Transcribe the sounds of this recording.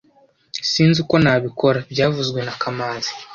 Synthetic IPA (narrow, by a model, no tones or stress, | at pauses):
siːnziko̞naβikʰo̞ɾabɟaːvuzɡwe̞nakʰamaːnzi̥